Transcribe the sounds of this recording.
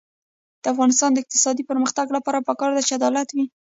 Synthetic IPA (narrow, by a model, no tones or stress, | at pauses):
d̪̥əafɣɑnɪst̪ɑnd̪əɪq̚t̪ɪ̥sɑd̪ipəɾməxt̪aɡlapɑɾapəkɑɾd̪at͡ʃead̪ɑlat̪wi